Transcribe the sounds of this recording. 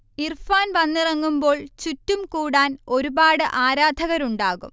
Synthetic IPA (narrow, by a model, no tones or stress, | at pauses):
irfaːnʋɐnːirɐŋːumbo̞ːɭt͡ɕutːumkuːɽaːno̞ɾubaːɽɨʔaːɾaːd̪ʱɐɣɐɾuɳɖaːɣum